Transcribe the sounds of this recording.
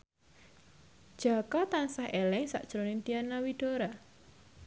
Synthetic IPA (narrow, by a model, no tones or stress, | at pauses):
d̥ʒ̥a̤kɔt̪ansaɦelɛŋsa̰ʔd̥ʒ̥ɾonɪnt̪ianawiɖ̥oɾa